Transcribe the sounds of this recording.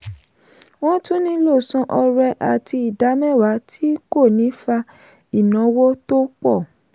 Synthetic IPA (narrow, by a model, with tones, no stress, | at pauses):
wɔ̃˦tũ˦nĩ˦lo˦˨sɔ̃˧ʔɔ˧ɾɛ˧ʔa˨tʰi˧i˨da˨˦mɛ̃˦˨wa˨˦tʰi˦ko˦˨nĩ˨˦fa˧ | i˨nɔ̃˨˦wo˦to˦k͡pɔ˦˨